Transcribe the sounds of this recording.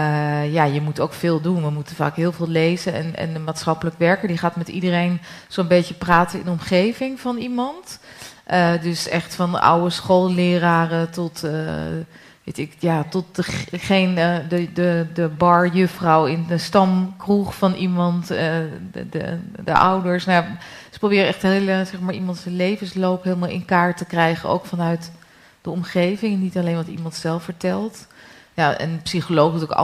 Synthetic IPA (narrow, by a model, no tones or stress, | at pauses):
jajəmutoːkfɪːlˠdunʋəmutənfa̰ːkɦɪːlˠvɪːlˠleːzəɛ̰nɛ̰nəmaːtsxɑpələkəʋɛɹkəɹdiχaːtmɛtḭdərejnsonbeːtjəpraːtəɪ̰ndɔmχeːvɪŋfɔnimɑntʔədøsɛ̰xtfɔnə̰ʔa̰wəsxolˠlɪːəraːrətɔt | ʋetɪkjatɔt̚dəχeːnədədəbɑɹjʏfrɔwɪndəstɑmkruχfɑnʔimɑnt | də̰ʔa̰wdəɹsnaja | sə̥prowbɪːɾəɛχtɦeləsɛχmaːɹimɑntsəlejvənslowpɦeːlˠmalˠɪ̰nkaːɹtəkrɛjχə̰no̰wkfɑnœɥt | d̥əɔmχejvɪŋnitɑlejnʋɑtimɑntsɛlˠfəɹtɛlˠt | jaʔɛ̰npsiχolowχtk